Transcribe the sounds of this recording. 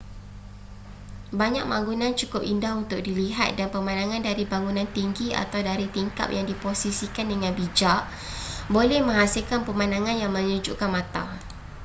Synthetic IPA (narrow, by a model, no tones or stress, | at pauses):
baɲak̚baŋɡunãnt͡ʃukʊpindahɦunt̪ʊk̚diliɦat̪̚danpəmãnaŋãndaɾibaŋunãnt̪iŋɡia̰t̪awdaɾit̪iŋka̰p̚jaŋdiposisikandəŋanbid͡ʒaʔ | bolɛhmə̃ŋɦasilkanpəmãnaŋãnjaŋmə̃ɲud͡ʒuʔkanmat̪a̰